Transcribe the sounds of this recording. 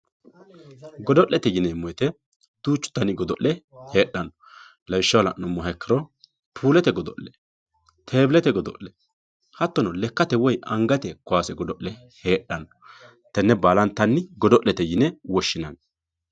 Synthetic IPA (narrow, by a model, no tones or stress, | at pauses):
ɡɔd̪ɔʔlːɛt̪ɛjɪnɛmːɔjt̪ɛ | d̪̥uːt͡ʃːʊ̥t̪ːɐnɪɡɔd̪ɔʔlɛhe̞ːɗːɐnːɔ | lɐwɪʃːɐwlɐ̰nʊmːɔɦɛkːɐɾɔ | pʰuːlɛt̪ɛɡɔd̪ɔ̰ʔɛ | t̪ʰeːblɛt̪ɛɡɔd̪ɔ̰ʔɛ | hɐt̪ːɔnɔlɛkːɐt̪ɛwɔjʔɐŋɡɐt̪ɛkʊaːsɛɡɔd̪ɔʔlɛ | heːɗːɐnɔ | t̪ɐnːɛbaːlɐnt̪ːɐnːɪɡɔd̪ɔʔlːɛt̪ɛjɪnɛwɔʃːɪnɐn